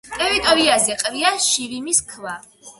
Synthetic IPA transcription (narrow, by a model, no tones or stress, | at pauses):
t̪ʼɛvit̪ʼɔɾiazɛqʼviaʃivimiskʰla